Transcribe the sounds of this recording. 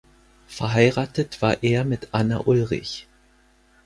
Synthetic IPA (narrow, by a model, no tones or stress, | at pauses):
fɛɐɦaɪʁaːtətv̥aːɐʔeːɐmɪtʔana̰ʔʊlʁɪ̰ç